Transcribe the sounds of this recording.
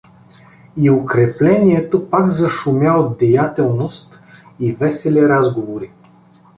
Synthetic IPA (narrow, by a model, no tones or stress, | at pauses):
iokɾɛplɛniɛt̪opakzɐʃʊmʲjaod̪̚d̪ɛjat̪ɛlˠnost̪ | ivɛsɛlɛɾazɡovoɾi